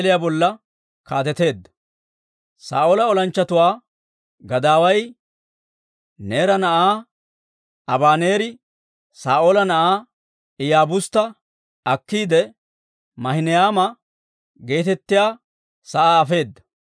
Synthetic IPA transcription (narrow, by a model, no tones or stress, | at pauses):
lɪjaːbɔlːɐ | kaːt̪ɛt̪e̞ːd̪ːɐ̥ | sa̰ːʔoːlɐɔlɐnt͡ʃːɐt̪ʊwaː | ɡɐd̪aːwɐj | neːɾɐnɐʔaː | ɐbaːneːɾɪ | saːʔoːlɐnɐʔaː | ɪjaːbʊst̪ːɐ | ɐkːiːd̪ɛ | mɐhɪnɪjaːmɐ | ɡe̞ːt̪ɛt̪ːɪjaː | sɐʔaːfe̞ːd̪ːɐ̥